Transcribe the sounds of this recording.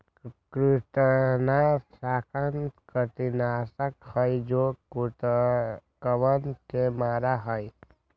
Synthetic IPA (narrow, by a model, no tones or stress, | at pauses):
kɾɪʈnasaːkʰənt̪kət̪inaːsəkhəjd͡ʒokut̪ | kəʋənkʰemaːɾaɦəj